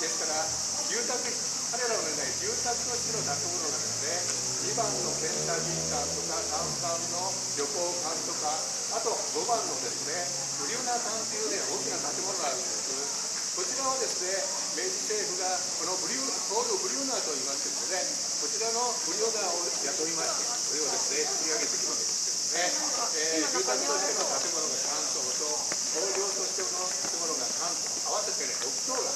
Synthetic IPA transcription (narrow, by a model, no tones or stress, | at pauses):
d̪e̞skaɾa | ɾʲjɯːt̪aki | kaneɾaonenaiɡjɯːt̪akinot͡ɕinonakɯmono̞ɡad̪e̞sɨne̞ | ɾʲibãnːo̞pe̞st̪abʲikat̪o̞kak̪aɯ̃nkãnno̞ | ɾʲjo̞ko̞ːkãnt̪o̞ka | at̪o̞ | ɡobãnːo̞d̪e̞sɨne̞ | bɯ̟ɾʲjɯːnakãɰ̃sɯd̪e̞o̞ːkʲinat̪akemo̞noɡaːɾɯ̟̃nd̪e̞sɨ | ko̞t͡ɕiɾaβad̪e̞sɨne̞ | me̞d͡ʑise̞ːɸɯ̟ɡa | ko̞no̞bɯ̟ɾʲɯ | koːɾɯːbɯ̟ɾʲɯnaːt̪oːɲimast̪eɾɯnod̪e̞ | ko̞t͡ɕiɾano̞ | bɯ̟ɾʲioɡ̪aːo | jat̪omʲimaɕi̥t̪ekoɾeβad̪e̞sɨne̞kɯɾiaɡet̪ekʲimad̪ed̪ḁt̪eone̞ | eːd͡ʑɯːt̪akɯ̟̥t̪o̞ɕi̥t̪e̞not̪at̪e̞mo̞no̞ɡakãɰ̃soɯt̪o̞ | koːɾʲoːt̪o̞ɕi̥t̪enonot̪at̪e̞mo̞noɡakãɰ̃soaβase̞t̪eɾeɾokɯ̥t̪ʲoːɡa̰